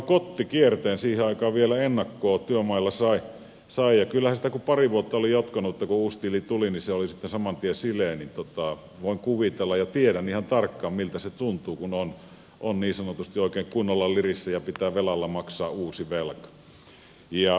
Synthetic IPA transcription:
kot̪ːikiert̪eːnsiːheɑikɑːʋʋielæenːɑkːoːt̪yømɑilːɑsɑi | sɑijɑkylːæhænsit̪ækupɑriʋuot̪ːɑolijot̪kɑnuet̪ːɑkuuːst̪ilit̪uliniseolisit̪ːensɑmɑnt̪iesilˑeːnint̪ot̪ɑˑ | ʋoiŋkuʋit̪elːɑjɑt̪ieɾæniːhɑnt̪ɑrkːɑːmmilt̪æset̪unt̪uːkunon | ʔonniːsɑnot̪ust̪ioˑikeˑːŋkunːɑlːɑlirisːæjɑpit̪æːʋelɑlːɑmɑksɑːuːsiʋelkɑ̥ | jɑ

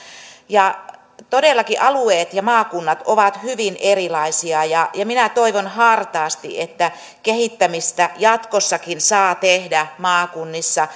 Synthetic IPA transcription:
jɑ | t̪odelːɑkiʔɑlueːt̪jɑmɑːkunːɑt̪oʋɑt̪hyʋinʔerilɑisiɑjɑjɑminæt̪oiʋonhɑrt̪ɑːst̪ḭʔet̪ːæ | kehit̪ːæmist̪æjɑt̪kosːɑkinsɑːt̪ehdæmɑːkunːisːɑ

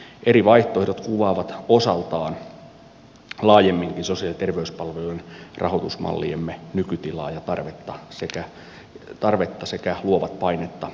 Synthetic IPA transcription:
ʔeriʋɑiht̪oherot̪kuʋɑːʋɑt̪osɑlt̪ɑːn | lɑːjemːiŋkinsosiɑlit̪erʋeyspɑlʋelunrʔɑ̰hot̪usmɑ̰lːḭemːenykyt̪ilɑ̰ːjɑt̪ɑrʋet̪ːɑsekæ | t̪ɑrʋet̪ːɑsekæluoʋɑt̪pɑinet̪ːɑ

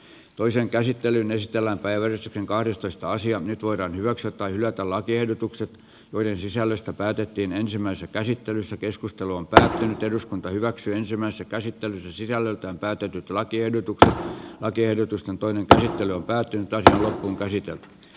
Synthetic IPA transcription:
t̪oiseŋkæsit̪ːelynesit̪elːæmpæiʋʋærist̪ykseŋkɑhdest̪oist̪ɑɑsiɑnyt̪ʋoiɾɑːnhyʋæksyæt̪ːɑihylæt̪ælɑkiehdot̪ukset̪ | joidensisælːøst̪æpæːt̪et̪ːiːnensimːˑæisesækæsit̪ːelysːækeskust̪eluompæːt̪ːynyt̪eduskunt̪ɑhyʋæksyːensimːæisesækæsit̪ːelysːæsisælːølt̪æːmpæːt̪et̪yt̪lɑkiehdot̪ukset̪lɑkiehdot̪ust̪ent̪oineŋkæsit̪ːelyompæːt̪ːynyt̪ːɑsiɑlopːuːŋkæsit̪ḛlt̪y̥

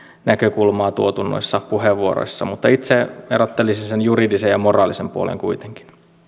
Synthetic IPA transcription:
nækøkulmɑːt̪uot̪unːo̰isːɑpuheʋːuoɾo̰isːɑmut̪ːɑit̪seerot̪ːelisisenjuridisejɑmorɑːlisempuolḛŋkuit̪eŋki̥n

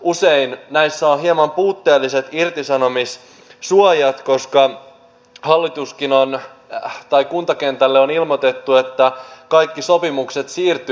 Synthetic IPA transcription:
use̞innæjsːæoɦiemɑmpuːt̪ːeːlːise̞t̪irt̪isɑno̞mis | suojɑt̪ko̞skɑ | hɑlːit̪uskinon | t̪ɑjkunt̪ɑkent̪ælːeonilmot̪e̞t̪ːue̞t̪ːækɑjkːiso̞pimukse̞t̪siːrt̪y

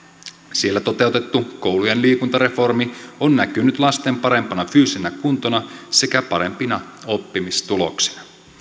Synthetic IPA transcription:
sielːæt̪o̞t̪e̞wt̪e̞t̪ːuko̞wlujenliːkunt̪ɑɾe̞fo̞rmionːækynyt̪lɑst̪e̞mpɑɾe̞mpɑnɑfyːsenækunt̪o̞nɑse̞kæpɑɾe̞mpinɑ | o̞pːimist̪ulo̞̰ksi̥nɑ

